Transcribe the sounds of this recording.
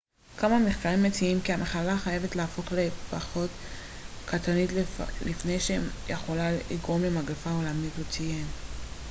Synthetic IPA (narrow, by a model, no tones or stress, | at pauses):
kamameχkaʁimːet͡siimkiamʔaχalaχajevetleafo̞χle̞paχo̞t | kat̪anitlifne̞jʃejeχo̞laiɡʁo̞mlemaɡefaolamitot͡sijem